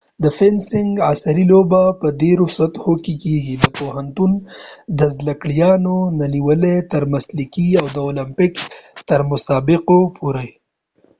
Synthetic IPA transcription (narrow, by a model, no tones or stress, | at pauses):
d̪əfɪnsɪŋɡasaɾilobapəd̪eɾʊsat̪hokekeɡid̪əpoɦant̪und̪əzlakɽjɑnonaniwəlet̪əɾmaslikiawd̪əolampɪkt̪əɾmʊsɑbɪqopuɾaj